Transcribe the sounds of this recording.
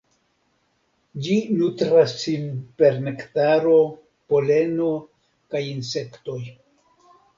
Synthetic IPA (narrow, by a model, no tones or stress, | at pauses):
d͡ʒinutɾasːinpe̞ɾnektaɾo̞ | po̞le̞no̞ | kajinse̞kto̞j